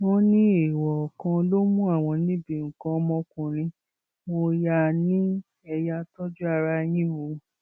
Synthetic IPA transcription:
wo˦nĩ˦e˦˨wɔ˨kã˧lo˦mũ˦a˦˨w̃ɔ̃˧nĩ˦be˨ŋ̩˨kã˧mɔ̃˧kũ˨ɾ̃ĩ˧ | wo˧ja˦˨nĩ˦ | ɛ˧ja˧tɔ˦d͡ʒu˦a˧ɾa˧j̃ĩ˦wo˧˦

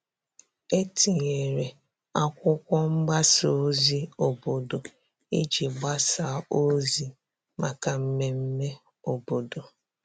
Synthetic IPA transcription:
e˦ti˨ɲe˨ɾe˨ | a˦kʷʊ˦kʷɔ˦ŋ͡m̩˦ɡ͡ba˦so˨˦zi˦o˨bo˨do˨ | e˦d͡ʒi˨ɡ͡ba˦sa˨˦o˦zi˦ | ma˨ka˨m̩˦me˨m̩˦me˦ | o˨bo˨do˨

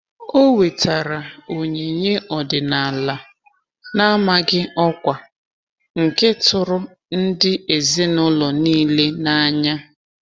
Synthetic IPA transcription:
o˦we˨ta˨ɾa˨o˨ɲe˨ɲe˦ʔɔ˨dɪ˨na˨la˨ | na˦ma˦ɡɪ˦ɔ˦kʷa˨ | ŋ̩˨ke˦tʊ˨ɾʊ˦ | n̩˦dɪ˦e˨ze˦nʊ˦lɔ˨niː˦le˦na˦ɲa˦

